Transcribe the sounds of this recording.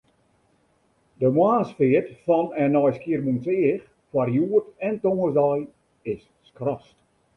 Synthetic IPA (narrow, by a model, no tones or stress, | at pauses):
dəmwaːsfɪːətfɔnɛnɔjskiərmunsɪəx | fwarjuətɛntoŋəsdɔj | ɪsːkrɔst